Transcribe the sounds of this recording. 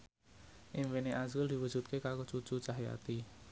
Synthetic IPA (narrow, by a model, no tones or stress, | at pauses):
ʔɪŋweneʔazuld̪i̤wu̥ʒ̥ṳt̪̚kekakot͡ʃut͡ʃut͡ʃaɦja̰t̪i